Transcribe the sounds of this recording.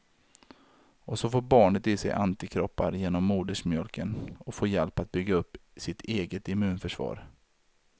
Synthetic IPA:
ɔsɔfoːɾbɑːɳət̪ɪsɛ̰jʔa̰nt̪ɪkʰɾɔpːa̰ɾjeːnɔmːuːd̪əʂmjœlkʰənɔfoːjɛlpat̪̚bʏɡːaɵpːsɪt̪ʰeːɡət̪ɪmʉ̟ːnfœʂvɑ̰ːɾ

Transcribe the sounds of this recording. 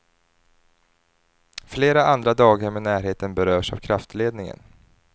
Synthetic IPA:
fleːɾaand̪ɾad̪ɑːɡəɾmɛnæːɾɦheːt̪ənbɛɾøːʂa̰vkʰɾaft̪leːd̪nɪŋə̰n

